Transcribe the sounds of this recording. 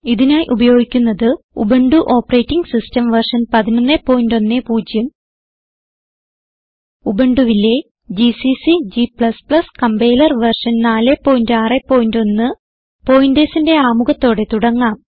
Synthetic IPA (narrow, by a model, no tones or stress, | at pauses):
iðinaːjiʔubɐjo̞ːɡikʲːunːɐðɨ | ṵbeɳɖuʔo̞ːpːɐrejtːiŋɡsistɐmʋɐrʂɐnpɐðinɐnːepːo̞ːjindo̞nːe̞puːd͡ʑjɐm | ubeɳɖuʋilːe̞ | d͡ʑisisid͡ʑipɭɐspɭɐskɐmbeːlɐrʋɐrʂɐnnaːle̞pːo̞ːjindaːrepːo̞ːjindo̞nːɨ | po̞jindeːsinde̞aːmuɣɐt̪ːo̞ːɽe̞t̪uɽɐŋːaːm